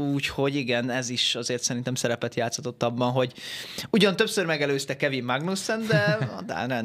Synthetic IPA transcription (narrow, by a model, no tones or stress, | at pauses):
uːcho̞ɟiɡɛnɛziʃɒzeːrt̪sɛɾint̪ɛmsɛɾɛpɛt̪jaːt̪shɒt̪o̞t̪ːɒbːɒnɦo̞ɟuɟɒnt̪ø̞psørmɛɡɛløːst̪ɛkːɛvimːaɡnusɛnd̪ɛ̰d̪a̰ːnɛ